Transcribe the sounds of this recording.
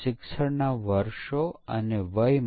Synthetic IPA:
ɪksəɽnaʋəɾʃoə̰neʋəjm

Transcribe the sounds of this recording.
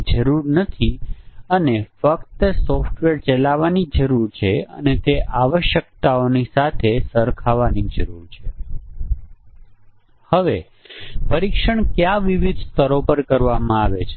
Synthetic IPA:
d͡ʒəɾuɾnət̪ʰiənefəkt̪əsɔfʈʋeɾt͡ʃəlaʋanid͡ʒəɾuɾt͡ʃʰeə̰net̪eʔaʋəʃjək̚t̪aonisat̪ʰesəɾkʰaʋanid͡ʒəɾuɾt͡ʃʰe | həʋe | pəɾikʃəɳkjaʋiʋid̪st̪ʰəɾopəɾkəɾʋamãaʋet͡ʃʰe

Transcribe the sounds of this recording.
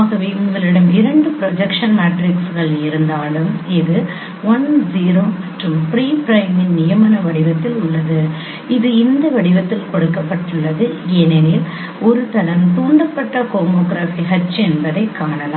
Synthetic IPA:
ɣɐʋeʊŋɡɐlɪɽɐmɪɾɐɳɖɯpɪɾɔd͡ʒɐkʂɐnmaːʈɾɪksɣɐɭɪɾɯnd̪aːlɯmɪðɯ | ʋɔnziːɾoːmɐʈrɯmpɪɾiːpɾɐɪmɪnnɪjɐmɐnɐʋɐɽɪʋɐt̪ːɪlʊɭːɐðɯ | ɪðɯɪnd̪ɐʋɐɽɪʋɐt̪ːɪlkɔɽɯkːɐpːɐʈːɯɭːɐðɯɛnɛnɪl | ɔɾɯt̪ɐlɐmt̪uːɳɖɐpːɐʈːɐkoːmoːɡɾaːfiɦɐt͡ʃːɛnbɐðɐɪkːaːɳɐlaː

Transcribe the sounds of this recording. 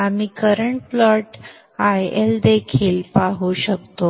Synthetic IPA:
amiːkəɾəɳʈ̚flɔʈ | ajeld̪ekʰiːlpaɦuɕək̚t̪o

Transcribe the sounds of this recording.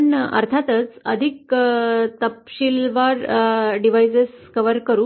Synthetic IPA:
nə̰ɾt̪ʰat̪ət͡səd̪ʱik | t̪əpɕilʋaɾɖiʋ̤ajseskəʋəɾkəɾuː

